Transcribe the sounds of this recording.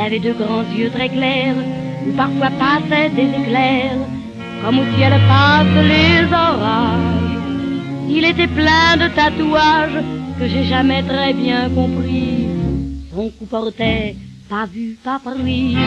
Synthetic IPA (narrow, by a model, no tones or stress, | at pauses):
ilavɛd̪øɡʁɑ̃zjøt̪χɛklɛʁ | epaʁfwapasɛd̪ezeklɛʁ | kɔmosialɛpasəlezɔʁaʒ | ilet̪ɛplɛ̃d̪ət̪at̪uaʒkəʒeʒamɛt̪χɛbjɛ̃kɔ̃pχi | sɔ̃kupɔʁt̪ɛpavypapʁi